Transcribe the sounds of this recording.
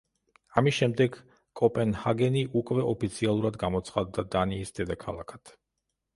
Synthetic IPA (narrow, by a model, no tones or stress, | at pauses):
amisʃɛmd̪ɛɡ | kʼɔpʼɛnhaɡɛniʔukʼvɛʔɔpʰit̪sʰialˠuɾad̪ɡamɔt̪sχad̪ːad̪aniːsd̪ɛd̪akʰalˠa̰kʰat̪ʰ